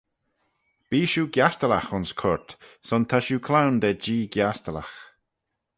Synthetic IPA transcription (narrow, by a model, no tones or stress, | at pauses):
b̥iːʃuːɡjast̪əlaxʊnskʰɔɹt̪sɔnt̪ʰaʃuːkʰlawnd̪ɛd͡ʒiːɡjast̪əla̰x